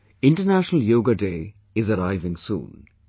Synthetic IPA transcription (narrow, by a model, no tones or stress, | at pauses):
ɪ̃ɳʈənæʃənəljoːɡaɖeː | ɪzɐɾaɪʋɪ̃ŋsṵ̃ːn